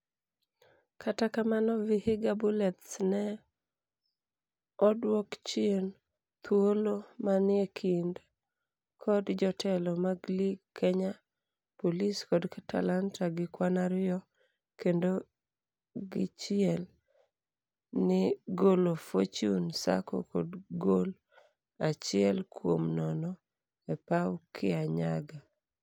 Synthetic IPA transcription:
kʰatakamanɔvɪhɪɡabulɛt̪snɛ | ɔdwɔkt͡ʃɪn | t̪ʰwolomanɪekʰind | kʰɔdd͡ʒɔtʰɛlɔmaɡliɡkʰːɛɲa | poliskɔdkatʰa̰lantaɡɪkwanaɾjɔ | kendo | ɡɪt͡ʃɪɛl | nɪɡolofot͡ʃunsa̰ko̰kɔ̰dɡol | at͡ʃɪɛlkwo̰mnɔnɔ | ɛpawkʰɪaɲa̰ɡa

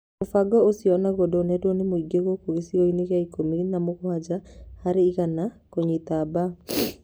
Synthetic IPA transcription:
mofaɡɔosiɔnaɣodɔːnɛdwɔnemoiɡeɣokoɣesiɣɔineɣjaikominamoɣwad͡ʒahaɾeiɣana | koɲitaba

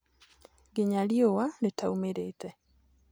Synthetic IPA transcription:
ɡɪɲaliowaletaumeɾetɛ

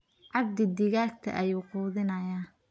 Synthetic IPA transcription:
ʕɑb̚d̪ɪd̪ɪɣaːɡ̚t̪ʰɐ̰ʔɐjuːquːðɪnɐjaː

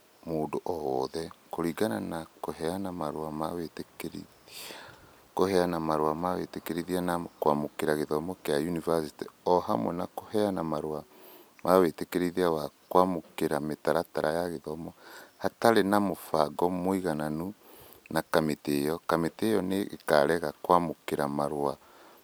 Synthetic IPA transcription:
moːndoʔɔwɔðɛkoɾiɡana̰nakohɛanamaɾoamawetekɾi | kohɛanamaɾwamawetekeɾeðianakwamokeɾaɣeðɔmɔkeajunivasiteɔhamwɛ̰nakohɛanamaɾoa | mawetekeɾeðiawakwamokeɾametaɾataɾajaɣeðɔmɔhataɾenamofaɡɔmoiɣananu | nakametejɔkametejɔnḛːkaɾɛɣakwamokeɾamaɾwa

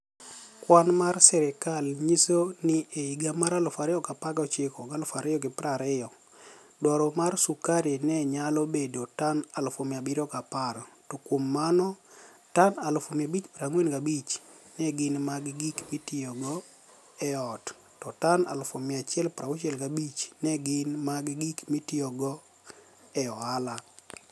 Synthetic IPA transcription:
kwanmarsɛɾɪkalɲisonɪʔeiɡamaɾalʊfaɾɪɔkapaɡɔt͡ʃɪkɔɡalofaɾɪjɔɡɪpɾaɾɪɔ | dwɔɾɔmarsukaɾenɛɲalɔbedotanalofomabiɾɔkapaɾɔtɔkwomːanɔ | tanalfomɪabit͡ʃpɾaŋwenɡabit͡ʃnɛɡɪnmaɡɡikmitɪɔɡɔ | ɛɔt | tɔtana̰lfomɪat͡ʃɪɛlpɾaot͡ʃɛlɡabit͡ʃnɛɡɪnmaɡɡikmitiɔɡɔ | ɛɔala

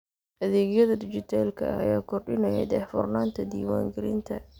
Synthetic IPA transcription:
ʔɐðɛːɣjɐðɐd̪ɪt͡ʃɪt̪ʰɛːlkʰɐ̰ɐ̰jaːkʰɔrɖɪnɐjɛ̰d̪ɛːħfɔrnaːnt̪ʰɐd̪iːwa̰ːŋɡɐɾɪnt̪ʰɐ̰

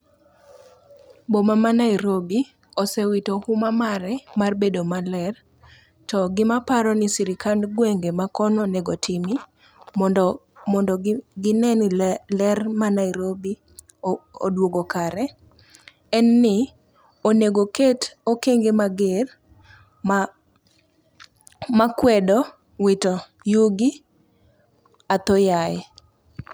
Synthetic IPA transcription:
bomamanaiɾobi | osɛwitohumamaɾɛmarbedomalɛr | tɔɡɪmapaɾɔnɪsiɾikanɡweŋɡemakɔnonɛɡotʰimi | mɔndɔɡɪnɛnilɛrmanaiɾobi | o̰dwoɡokaɾɛ | ɛnːɪ | oneɡoketokeŋɡemaɡer | m | makwɛdɔ | wɪtɔ | juɡi | at̪ojaj

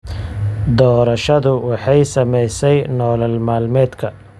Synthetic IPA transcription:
d̪ɔːɾɐʃɐðʊwɑħɑjsɐmɛjsɛjnɔːlɐlmaːlmɛːd̪kʰɐ

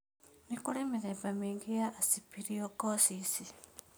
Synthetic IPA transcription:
nikulemiɾepamiːŋɡijaːsipiɾiokosisi

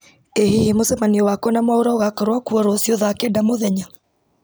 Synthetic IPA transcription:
ehihemosɛmaniɔwakɔnamwaoɾaoɣakaɾwakuɔɾosioðakedamoðɛɲa

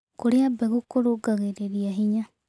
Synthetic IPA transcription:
kuɾeabeɣukoɾuɡaɣeɾeɾiaɦiɲa

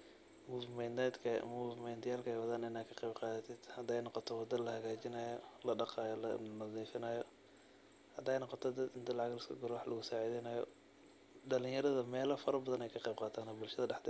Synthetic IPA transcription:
muːvmɛnɛːd̪kʰɐmuːvɪmɛnt̪ʰɪjaːlkʰɐɛjwɐðaːnɪnaːd̪kʰɐqɛjbqɑːðɐt̪ʰɪd̪̥hɐd̪ɛjnɔqɔt̪ʰɔwɑd̪ɐlɐhɐɣaːt͡ʃɪnajɔlɐɖɑqɑːjɔlɐnɐðiːfɪnɐːjɔ | hɐd̪ɛjnɔqɔt̪ʰɔd̪ɐd̪ɪnt̪ʰɐlɑʕɑɣlɐskʰɐɡʊɾwɑħlɐɣʊsaːʕiːðɪnɐːjɔ | ɖɐlɪŋjɐɾɐðɐmɛːlɐfɐɾɐbɐðɐnɛjkʰɐqɛjb̚qɑːt̪ʰaːnɐbʊlʃɐðɐɖɑħd̪ɛ

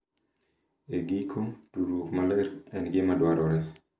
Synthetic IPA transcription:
eɡikʰotuɾwokmalɛɾɛnɡɪmadwaɾɔɾɛ

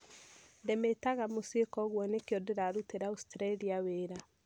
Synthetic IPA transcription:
ndemetaɣamosekɔɣwɔnekeɔdeɾaɾuteɾaustɾaliaweːɾa

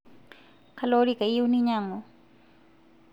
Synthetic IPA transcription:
kʰaloɾikaiuniɲaŋɔ

